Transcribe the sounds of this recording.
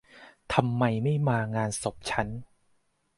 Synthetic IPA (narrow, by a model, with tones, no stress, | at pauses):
t̪ʰa˧mːa˧jma˥˩jmaː˧ŋaː˧nso˨˩p̚t͡ɕʰa˦˥n